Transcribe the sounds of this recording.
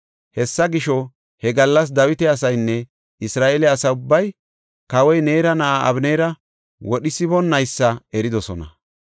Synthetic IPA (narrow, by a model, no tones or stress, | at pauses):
hɛsːɐɡɪʃɔ | hɛɡɐlːɐs̬d̪ɐwɪt̪ɛɐsɐjnːɛ | ɪsɾaːʔelɛɐsɐʊbːɐj | kɐwɔjne̞ːɾɐnɐʔaʔɐbneːɾɐ | wɔɗɪsɪbɔnːɐjsːɐɛɾɪd̪ɔsɔnɐ̰